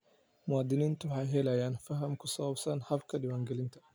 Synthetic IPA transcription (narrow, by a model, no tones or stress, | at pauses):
mʊwɑːd̪ɪniːnt̪ʰʊwɑħɑjɦɛlɐjaːnfɐɦɐmkʰʊsɐwɐbsɐnhɐbkʰɐɖɪwaːŋɡɛlɪnt̪ʰɐ̥